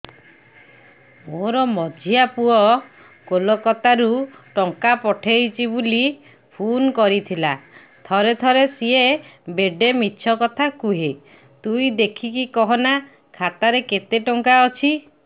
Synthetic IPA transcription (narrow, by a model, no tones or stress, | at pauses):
moɾɔmɔd͡ʒʱijapuɔ | kolɔkɔt̪aɾuʈɔŋkapɔʈʰejt͡ʃʰibuli | pʰunkɔɾit̪ʰila | t̪ʰɔɾet̪ʰɔɾesiebeɖemit͡ʃʰɔkɔt̪ʰakuɦe | t̪uid̪ekʰikikɔɦɔna | kʰat̪aɾeket̪eʈɔŋkaɔt͡ʃʰi